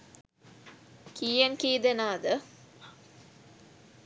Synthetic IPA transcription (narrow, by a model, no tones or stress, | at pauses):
kijɐŋkiːd̪enaːd̪ə